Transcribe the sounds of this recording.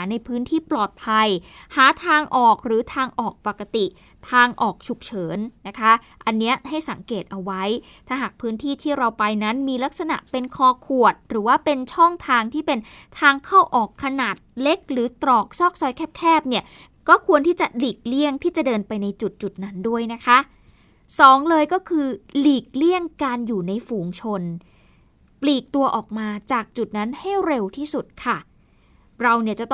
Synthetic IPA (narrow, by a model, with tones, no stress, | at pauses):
na˧jpʰɯː˦˥nt̪ʰiː˥˩plɔː˨˩t̪̚pʰa˧j | haː˨˩˦t̪ʰaː˧ŋʔɔː˨˩k̚ɾɯː˩˦t̪ʰaː˧ŋʔɔː˨˩k̚pa˨˩ka˧t̪i˨˩ | t̪ʰaː˧ŋʔɔː˨˩k̚t͡ɕʰu˨˩k̚t͡ɕʰɤː˩˦nːa˦˥kʰa˦˥ | ʔa˧nːi˦˥ɐha˥˩jsa˨˩˦ŋkeː˨˩t̪̚ʔa˧wa˦˥j | t̪ʰaː˥˩ɦaː˨˩k̚pʰɯː˦˥nt̪ʰiː˥˩t̪ʰiː˥˩ɾa˧wpa˧jna˦˥nmiː˧la˦˥k̚sa˧na̰˨˩ʔpe˧nkʰɔː˧kʰu˨˩ət̪̚ɾɯː˩˦waː˥˩pe˧nt͡ɕʰɔ˥˩ŋt̪ʰaː˧ŋt̪ʰiː˥˩pe˧n | t̪ʰaː˧ŋkʰaː˥˩wʔɔː˨˩kʰːa˧naː˨˩t̪̚le˦˥k̚ɾɯː˩˦t̪ɾɔː˨˩k̚sɔː˥˩k̚sɔː˦jkʰɛː˦˥˩p̚kʰɛː˥˩p̚ni˥˩ɐ | kɔː˥˩kʰu˧ənt̪ʰiː˥˩t͡ɕa˨˩liː˨˩k̚li˥˩əŋt̪ʰiː˥˩t͡ɕa˨˩dɤː˧npa˧jna˧jt͡ɕu˨˩t̪̚t͡ɕu˨˩t̪̚na˦˥ndu˥˩əjna˦˥kʰa˦˥ʔ | sɔː˩˦ŋlɤː˧jkɔː˥˩kʰɯː˧liː˨˩k̚li˥˩əŋkaː˧njuː˨˩na˧jfuː˨˩ŋt͡ɕʰo˧n | pliː˨˩k̚t̪u˧ɐʔɔː˨˩k̚maː˧t͡ɕaː˨˩k̚t͡ɕu˨˩t̪̚na˦˥nha˥˩jɾe˧wt̪ʰiː˥˩su˨˩t̪̚kʰa˥˩ | ɾa˧wni˥˩ət͡ɕa˨˩t̪